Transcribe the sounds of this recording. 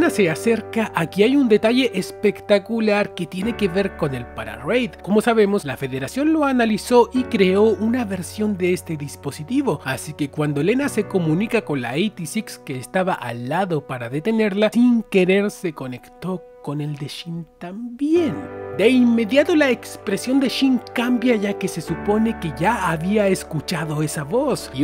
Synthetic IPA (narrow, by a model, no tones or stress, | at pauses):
nase̞ase̞ɾkaʔakiajund̪e̞t̪aʝe̞ʔespe̞kt̪akulaɾke̞t̪je̞ne̞ke̞βe̞ɾko̞ne̞lpaɾa̰rejd̪ko̞mo̞saβe̞mo̞slafe̞ðe̞ɾasjo̞nlo̞analiso̞ʔikɾe̞o̞unaβe̞ɾsjo̞nd̪eest̪e̞ðispo̞sit̪iβo̞asike̞kwand̪o̞le̞nase̞ko̞mũnikako̞nla̰ejt̪isikske̞ːst̪aβaʔalːaðo̞paɾaðe̞t̪e̞ne̞ɾlasiŋke̞ɾe̞ɾse̞ko̞ne̞kt̪o | ko̞ne̞ld̪e̞ʃint̪ambjend̪e̞inme̞ðjat̪o̞laekspɾe̞sjo̞nd̪e̞ʃiŋkambjaʝake̞se̞supo̞ne̞ke̞ʝaːβiae̞skut͡ʃaðo̞e̞saβo̞s